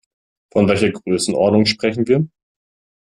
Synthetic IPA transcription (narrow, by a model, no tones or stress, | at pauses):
fɔnvɛlçɐɡʁøːsn̩ʔɔ̰ɐdnʊŋʃpʁ̥ɛçn̩viːɐ